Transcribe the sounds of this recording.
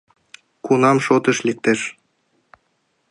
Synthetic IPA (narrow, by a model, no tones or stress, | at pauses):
kunɑmʃot̪ɤ̆ʃlʲik̚t̪ɘ̆ʃ